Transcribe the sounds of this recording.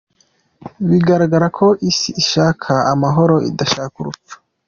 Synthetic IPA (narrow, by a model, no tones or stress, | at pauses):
βiɡaɾaɡaɾakʰo̞ʔisiːʃaːkʰaamaɦo̞ɾo̞ʔḭdaʃaːkuɾut͡sḁ